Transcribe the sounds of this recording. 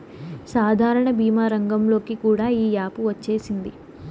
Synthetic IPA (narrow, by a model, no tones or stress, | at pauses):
saːd̪ʱaːɾɐɳɐbiːmaːɾɐŋɡɐmlo̞ːkikuːɽaːiːjaːpuʋɐt͡ʃːe̞ːsind̪i